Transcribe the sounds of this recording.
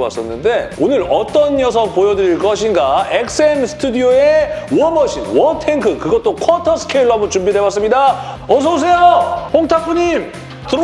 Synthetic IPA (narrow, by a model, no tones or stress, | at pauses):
a̰s͈ʌnːɯnde̞onɯɾʌt͈ʌnjʌs̬ʰʌŋpojʌdɯɾiɭk͈ʌɕʰinɡaek̚s͈ɯemsʰɯ̥tʰudioewʌmʌɕʰinwʌtʰeŋkʰɯkɯɡʌt͈okʰwʌtʰʌsʰɯ̥kʰeiɭːoɦamot͡ɕumbide̞bas͈ɯmɲida | ʌs̬ʰʌs̬ʰe̞johoŋtʰakʰuɲim | tɯɾ